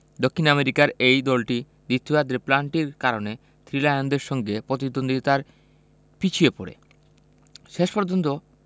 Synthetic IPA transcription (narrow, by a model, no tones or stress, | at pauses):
d̪okʰːinameɾikaɾejd̪ɔlʈi | d̪it̪ʰːuad̪ɾeplaɳʈiɾkaɾone | t̪ʰɾilajand̪eɾʃɔŋɡepɾot̪id̪ond̪ʱit̪aɾ | pit͡ɕʰiepo̰ɾḛ | ʃeʃpɔɾd͡ʑont̪̬o